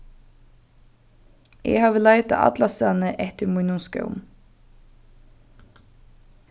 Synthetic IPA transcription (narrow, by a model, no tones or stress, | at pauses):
ɛ̰haːʋəlaɪjt̪a̰ʔa̰t̪lasanəʔɛht̪ɪɾmujnʊnskœ̰wm